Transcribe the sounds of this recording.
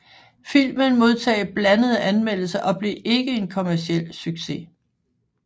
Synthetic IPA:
fil̰mənmo̝ðˠt͡sʰɛ̰ːɪb̥lænəð̞ˠəʔænmel̰l̩sɐʔɒ̽b̥liʔe̝ɡ̥əe̝nkʰo̝mæɐsiel̰syɡ̥se̝

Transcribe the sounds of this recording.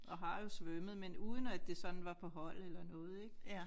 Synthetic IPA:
ɒ̽ɦɑ̈jo̝sʋøməðˠmenuːð̞ˠən̩æd̥e̝sɒ̽n̥n̩ʋɑ̈pʰɒ̽ɦɒ̽l̰elɐnɔ̽ːð̞̩ˠeɡ̥

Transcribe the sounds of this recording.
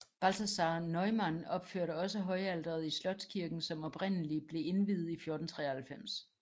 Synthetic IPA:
b̥ælt͡sʰæsɑ̈ːnɒɪmænɒ̽b̥føɐ̰ɾəɒ̽səɦɒ̽ɪæld̥ɐð̞̩ˠislɒ̽d̥skʰiɐɡ̥n̩sɒ̽mɒ̽b̥ʁen̰əlib̥le̝e̝nʋið̩ˠifjo̝ːɐd̥n̩t͡sʰʁɛ̰ːɐhælfem̰s

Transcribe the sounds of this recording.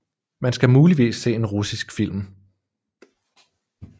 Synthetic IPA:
mænsɡ̥æmuːliʋḭːsːe̝̰ːe̝nʁusisɡ̥fil̰m

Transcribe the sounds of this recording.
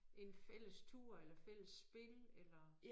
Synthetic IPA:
ʔe̝nfel̰əst͡sʰuɐ̰elɐfel̰əsb̥e̝lelɐ

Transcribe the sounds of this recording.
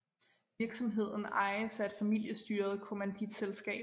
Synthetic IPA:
iɐɡ̥sɒ̽mɦe̝ð̞̰ˠn̩ɑ̈ɪəsæd̥fæmil̰jəsd̥yːɐð̞ˠkʰo̝mænd̥id̥selsɡ̥ɛ̰ː

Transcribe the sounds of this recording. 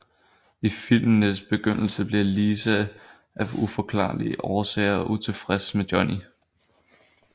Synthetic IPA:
ifil̰mnəsb̥e̝ɡ̥øn̰l̩səb̥liɐliːsæ | ʔæʋufɒkʰlɑ̰̈ːlḭəʔɒːsɛ̰ːɪɐɒʔut͡sʰe̝fʁɛsmedjɒ̽ni

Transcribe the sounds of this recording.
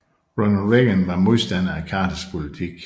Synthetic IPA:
ʁɔnɐlʁeɡ̥ənʋɑ̈mo̝ðˠsd̥æn̰ækʰɑ̈ːt͡sʰəspʰo̝lit͡sʰiɡ̥

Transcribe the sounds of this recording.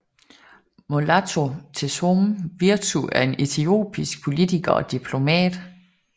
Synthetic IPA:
molæt͡sʰo̝t͡sʰe̝somʋiɐt͡sʰuæɐe̝ne̝t͡sʰio̝̰ːb̥ʰisɡ̥̚pʰo̝lit͡sʰiɡ̥ɐɒ̽d̥ipʰlo̝mɛ̰ːd̥

